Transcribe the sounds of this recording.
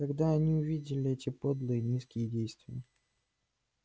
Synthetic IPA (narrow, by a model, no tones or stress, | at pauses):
k̪ɐɡd̪aɐnʲiʊvʲidʲɪlʲɪɛtʲɪpo̞d̪lˠɨjɪnʲiskʲɪjədʲejst̪vʲɪjə